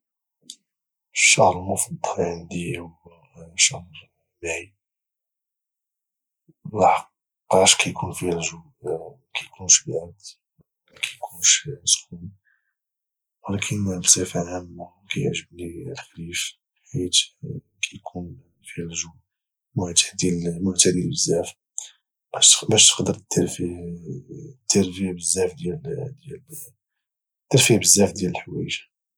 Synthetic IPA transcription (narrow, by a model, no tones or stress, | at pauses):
ʃːɑhɾmʊfɑd̪ˤːʕənd̪iw | ʃɑhɾ | maʕi | lɑħqː | ɑʃkæjkʰunfihælʒu | kæjkʰunʃbʕad̪ | kʰæjkʰunʃsxumi | wəlækʰənbsæfʕæmː | kæjəʕʒəbnilxlif | ħit̪ | kʰæjkʰun | fihælʒu | mʊʕt̪əd̪jælmʊʕt̪æd̪jælbəzːæf | bæʃt̪ə̥qd̪əɾt̪ːɾf | t̪ːəɾfjʕbəzːæfd̪jæld̪jæl | t̪ːɑɾˤfiʕbəzːæfd̪jæləlħwæ̰jʒḁ